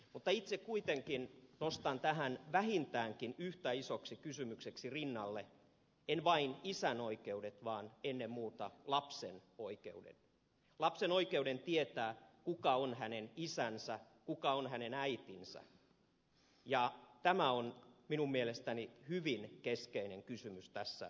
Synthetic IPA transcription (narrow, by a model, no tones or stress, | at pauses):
mut̪ːɑit̪sekkuit̪eŋkinnost̪ɑnt̪æɦænʋæhint̪æːŋkinyht̪æisoksikysymykseksirinːɑlːe | enʋɑinisænoikeudet̪ʋɑːnenːemmuːt̪ɑlɑpsḛnoikḛudḛn | lɑpsenoikeudent̪iet̪æːkukɑonhænenisænsæ | kukɑonhænenæit̪insæ̰ | jɑt̪æmæonminummielest̪ænihyʋinkeskeineŋkysymyst̪æsːæ̰